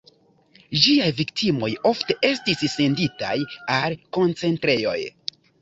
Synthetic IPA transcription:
d͡ʒiajviktʰimo̞jo̞fte̞ʔe̞stisːe̞ndita̰jalko̞nt͡se̞ntɾe̞jo̞̰j

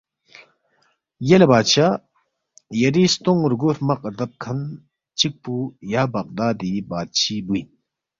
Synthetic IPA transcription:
jelebaːt͡ʃʰa | jɐɾist̪ɔŋɾɡuɾmɐqəɾd̪ɐp̚kʰɐn | t͡ʃik̚pujabɐq̚d̪ad̪ibat̪̚t͡ʃʰibujn

